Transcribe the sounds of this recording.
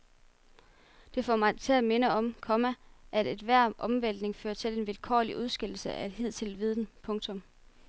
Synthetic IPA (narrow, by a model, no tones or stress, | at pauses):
d̥e̝fɒmɑ̈ɪt͡sʰe̝æme̝nəɒ̽mkʰɒ̽mæʔæded̥ʋæɐ̰ʔɒ̽mʋenl̰d̥ne̝ŋfø̰ːɐt͡sʰe̝le̝nʋelkʰɒ̰ːliʔuð̞ˠsɡ̥el̰̩səʔæe̝d̥ɦið̞̰ˠt͡sʰe̝lʋið̞ˠn̩pʰɔ̽ŋt͡sʰɔ̽m